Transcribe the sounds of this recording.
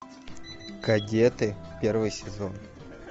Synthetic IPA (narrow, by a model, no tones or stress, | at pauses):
ɡ̥ɐdʲet̪ɨpʲervɨjsʲɪzon